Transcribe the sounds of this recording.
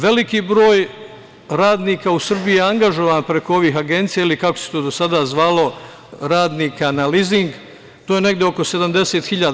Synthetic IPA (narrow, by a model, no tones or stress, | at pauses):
ʋe̞likiːbɾoːj | ɾaːd̪niːkausr̩biieaŋɡaʒo̞ʋaːnpɾe̞ko̞o̞ʋiːxaɡe̞nt̪sijailikakose̥t̪oːd̪osad̪azʋaːlˠo̞ | ɾaːd̪niːkanaliziŋɡ | t̪oːjene̞ɡd̪jeo̞ko̞se̞d̪amd̪e̞seːt̪xiʎaːd̪